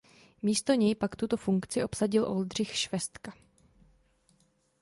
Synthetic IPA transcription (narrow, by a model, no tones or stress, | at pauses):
miːst̪o̞ɲɛjpakt̪ut̪o̞fuŋkt͡sɪʔo̞psaɟɪlʔo̞ld̪r̝ɪxʃvɛst̪ka